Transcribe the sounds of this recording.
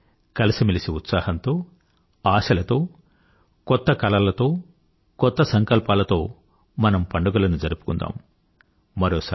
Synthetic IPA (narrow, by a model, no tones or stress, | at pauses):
kɐlisimilisiut̪saːhɐnt̪o̞ː | aːʃɐlɐt̪o̞ː | kɔt̪ːɐkɐlɐlɐt̪o̞ː | kɔt̪ːɐsɐŋkɐlpaːlɐt̪o̞ː | mɐnɐmpɐɳɖuɡɐlɐnud͡ʒɐɾupu̥kund̪a̰ːm | mɐɾoːs